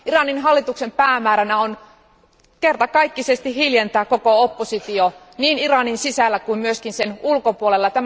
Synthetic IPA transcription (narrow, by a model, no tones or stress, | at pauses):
irɑninɦɑlːit̪uksempæːmæːɾænæon | kert̪ɑkɑikːisest̪ihhiljent̪æːkokoopːosit̪io | niːnirɑninsisælːækuimmyøskinsenulkopuolelːɑt̪æm